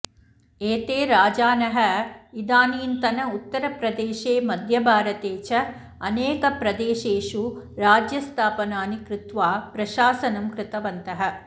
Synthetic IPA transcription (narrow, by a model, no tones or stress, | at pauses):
eːt̪eːɾaːd͡ʒaːnɐɦɐid̪aːniːnt̪ɐnɐut̪ːɐɾɐpɾɐd̪eːʃeːmɐd̪ʱjɐbʱaːɾɐt̪eːt͡ʃɐ | ɐneːkɐpɾɐd̪eːʃeːʃuɾaːd͡ʒjɐst̪ʰaːpɐnaːnikɾɪt̪ʋaːpɾɐʃaːsɐnɐmkɾɪt̪ɐʋɐnt̪ɐɦɐ̆